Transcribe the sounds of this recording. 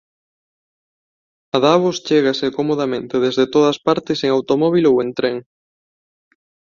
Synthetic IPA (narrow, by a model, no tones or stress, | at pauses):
aðaβost͡ʃeɣasekomoð̞amẽnt̪eðezðet̪oð̞ɐspaɾt̪eseŋawt̪omɔβ̞ilowẽnt̪ɾeŋ